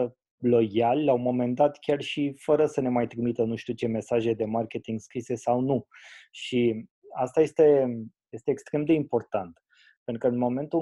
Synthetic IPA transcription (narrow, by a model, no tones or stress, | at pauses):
lo̞jalːlaumo̞me̞nd̪at̪kʲarʃifəɾəsəne̞majt̪ɾimit̪ənuʃt̪iut͡ʃe̞me̞saʒe̞d̪e̞markʲe̞t̪iŋɡskɾise̞sawnuʃi | ast̪aje̞st̪e̞je̞st̪e̞ːkst̪ɾe̞md̪e̞impo̞rt̪ant̪ | peɾukəɨnmo̞me̞nt̪u